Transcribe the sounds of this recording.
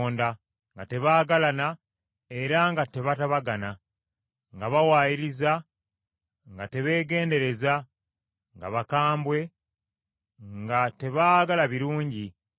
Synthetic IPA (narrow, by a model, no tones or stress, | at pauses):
nda | ŋɡate̞βaːɡalana | e̞ɾaŋɡate̞βataβaɡana | ŋɡaβawaːjiɾiza | ŋɡate̞βe̞ːɡe̞ːnde̞ɾe̞za | ŋɡa̰βakaːmbwe̞ | ŋɡate̞βaɡalaβiɾuːɲɟi